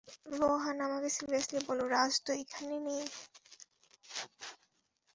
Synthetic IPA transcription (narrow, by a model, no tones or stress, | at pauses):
ɾɔɦanamakesilbaslebɔloɾad͡ʑd̪oekʰanenej